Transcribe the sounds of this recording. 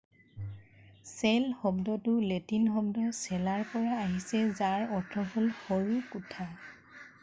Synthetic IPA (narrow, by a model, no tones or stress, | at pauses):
sɛlxɔbdɔtʊletinxɔbdɔsɛlaɹpɔɹaːɦisɛzaɹɔɹtʰɔholhoɹukutʰa